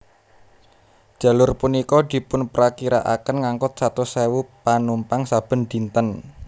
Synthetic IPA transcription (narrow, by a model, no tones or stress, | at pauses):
d̥ʒ̥a̤lʊrpunikɔd̪̥i̤pʊnpɾakiɾa̰ʔa̰kənŋaŋkʊt̪̚sat̪usɛwupanumpaŋsab̥ə̤nd̪̥i̤nt̪ən